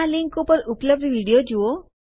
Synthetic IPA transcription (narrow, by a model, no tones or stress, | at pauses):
aliŋkupəɾupləb̚ɖiʋiɽijod͡ʒuo